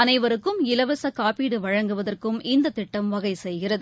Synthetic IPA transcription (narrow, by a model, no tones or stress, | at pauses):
ɐnɐɪʋɐɾɯkːɯmɪlɐʋɐsɐkaːpiːɽɯʋɐɻɐŋɡɯʋɐðɐrkɯmɪnd̪ɐt̪ɪʈːɐmʋɐɣɐɪsɛjɣɪrɐðɯ